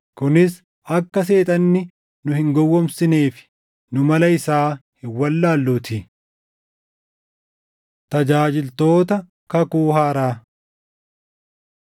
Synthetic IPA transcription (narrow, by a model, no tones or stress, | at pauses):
kʊnɪs | ɐkːɐs̬e̞ːt̪ʼɐnːɪ | nʊhɪŋɡɔwːɔmsɪneːfɪ̥ | nʊmɐlɐɪsaːhɪwːɐlːaːlːʊt̪ʰɪ | t̪ɐd͡ʒaːd͡ʒɪlt̪o̞ːt̪ɐ | kɐkuːhaːɾaː